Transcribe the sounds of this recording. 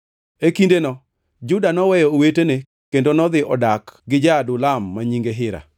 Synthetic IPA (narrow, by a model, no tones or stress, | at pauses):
ekindenɔ | d͡ʒʊdanɔwɛjɔːwetene | kendonɔd̪ɪʔɔdakɡɪd͡ʒadʊlamːaɲiŋɡeɦɪɾa̰